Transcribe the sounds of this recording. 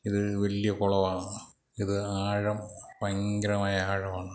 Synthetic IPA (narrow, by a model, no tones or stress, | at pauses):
iðɨʋɐlijɐkoɭɐʋaːɳɨ | iðɨaːɻɐmpɐŋɡɐɾɐmaːjɐaːɻɐmaːɳɨ